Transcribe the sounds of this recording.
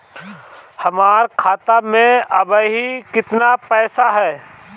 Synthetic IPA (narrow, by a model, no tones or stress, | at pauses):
hɐmaːɾkʰaːt̪amẽɐbəɦikɪt̪napɛːsaɦɛː